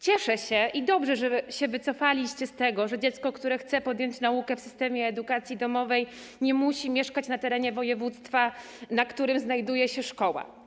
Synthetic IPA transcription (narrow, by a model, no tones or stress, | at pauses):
t͡ɕɛʂɛɕɛʔid̪ɔbʐɛʐɛɕɛvɘt̪sɔfalʲiɕt͡ɕɛst̪ɛɡɔʐɛd͡ʑɛt̪skɔkt̪uɾɛxt̪sɛpɔd̪jɔɲt͡ɕnaukɛfsɘst̪ɛmʲjɛːd̪ukat̪sʲjid̪ɔmɔvɛj | ɲɛmuɕimʲjɛʂkat͡ɕnat̪ɛɾɛɲɛvɔjɛvut̪st̪fa | nakt̪uɾɘmznajd̪ujɛɕɛʂkɔwa̰